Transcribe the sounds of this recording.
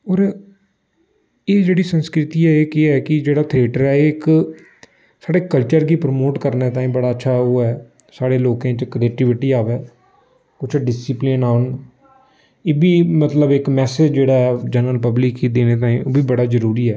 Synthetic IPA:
ɔːɾ | eːd͡ʒeːɽiːsənskɾɪt̪iːɛeːkɪɛːkɪd͡ʒeːɽaːt̪ʰɪeːʈəɾɛːeːɪk | saːɽeːkəlt͡ʃəɾɡiːpɾmoːʈkəɾneːt̪aːĩːbəɽaːətːʃʰaːoːɛː | saːɽeːloːkẽːt͡ʃəkɾeːkʈɪʋɪʈiːaːʋɛː | kʊt͡ʃʰɖɪsɪplinaːən | eːbʱiːmət̪ləbɪkmɛːsed͡ʒd͡ʒeːɽaːɦɛːd͡ʒənəlpəblɪkːiːd̪eːneːt̪̬aːĩːoːbʱiːbəɽaːzəɾuːɾiːɛː

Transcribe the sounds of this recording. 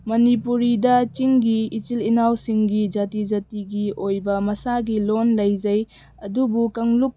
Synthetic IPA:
mɐnipuɾidɐt͡ʃiŋɡiit͡ʃilinawsiŋɡid͡ʒatid͡ʒɐtiɡiʔojbɐmɐsaɡilonlɐjd͡ʒɐj | ɐdubukɐŋluk̚

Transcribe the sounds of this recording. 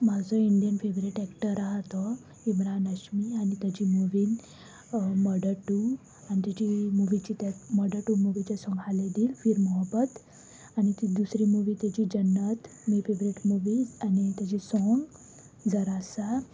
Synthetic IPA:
mad͡zɔiɳɖijənfeʋbɾiʈɛkʈəɾaɦt̪ɔ | imɾanəɕmiañit̪jat͡ɕimuʋiːn | məɖəɾʈu | anit̪jat͡ɕimuʋit͡ɕit̪amɔɖəɾʈumuʋit͡ɕasɔ̃ŋɡɦaled̪iːlfiːɾmɔɦəbət̪ | añit̪id̪usɾimuʋiːt̪jat͡ɕiːd͡ʑənːət̪mifebɾiʈmuʋiːanit̪jat͡ɕisɔŋɡ | d͡zʱəɾasa

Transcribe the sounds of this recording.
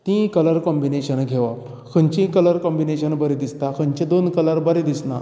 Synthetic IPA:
t̪ĩkələɾkɔmbineɕənɡʱeʋap | kʰəɲt͡ɕĩkələɾkɔmbineɕənbəɾed̪ist̪akəɲt͡ɕĩd̪onkələɾbəɾed̪isna̰

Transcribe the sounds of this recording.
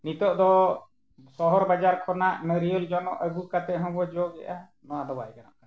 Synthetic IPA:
nit̪ɔʔd̪ɔ | sɔɦɔɾbad͡ʒaɾkʰɔnaʔmɛɾiɔld͡ʒɔnɔ̰ʔəɡukat̪ɛɦɔ̃bɔd͡ʒɔɡɛ̰ʔa | nɔwad̪ɔbaɛkana̰ʔka

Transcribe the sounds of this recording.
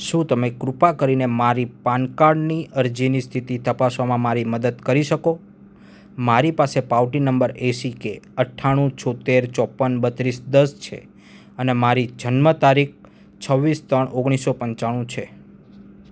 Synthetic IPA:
ʃũt̪əmekɾupakəɾinemaɾipankaɖniəɾd͡ʒinist̪ʰit̪it̪əpasʋamãmaɾiməd̪əd̪kəɾiʃəko | maɾipasepawʈinəmbəɾesikeəʈʰːaɽ̃ũt͡ʃʰɔt̪eɾt͡ʃɔpːənbət̪ɾisd̪əst͡ʃʰḛ | ənemaɾid͡ʒʱənmət̪aɾik̚ʰ | t͡ʃʰəʋːist̪əɳʔoɡɽ̃isopəɲt͡ʃaɽ̃ũt͡ʃʰe

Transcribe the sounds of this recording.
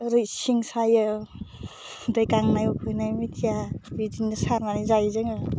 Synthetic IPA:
ɾɯjsiŋsajɯ | dɯjkaŋnajɔkʰɯjnajmit̪ʰijabidiŋdɯsaɾnanizajzeŋa

